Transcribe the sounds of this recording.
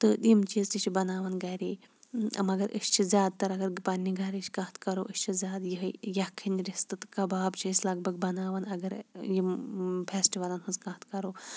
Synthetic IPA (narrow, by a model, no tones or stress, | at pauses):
t̪ɨɗ̪imt͡ʃizt̪iʃibɐnaːʋɐnɡaːɾi | ɐ̰mɐɡɐɾʔə̰st͡ʃʰizʲaːd̪̚t̪ɐɾɐɡɐɾpanːiɡaːɾiʃʰi̥kaːt̪kɐɾoːʔəsʲt͡ʃʰizʲaːd̪jiɦəjɐkʰːɐnɾist̪ɨt̪kɐbaːbt͡ʃʰisʲlɐɡ̚bɐɡ̚bɐnaːʋɐnɐɡɐɾjimpʰeːsʈiʋalɐnɦuzkaːt̪kɐɾoː